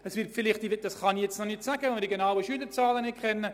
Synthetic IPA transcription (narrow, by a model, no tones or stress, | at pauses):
əsʋɪrtfɪlɪχtdiʋɪt̚d̥ɑsχɑnijɛt͡snɔnɪtsæɡ̥əʋɛnmɪɾdiɡenawəʃyːdət͡sɑːlənɪtkʰχɛnːə